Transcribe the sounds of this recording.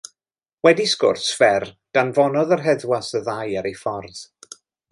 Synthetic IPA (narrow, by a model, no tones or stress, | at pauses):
wɛdiskʊ̰rsfɛr | d̥anvɔnɔðərɦɛðwasəðajaɾejfɔrð̥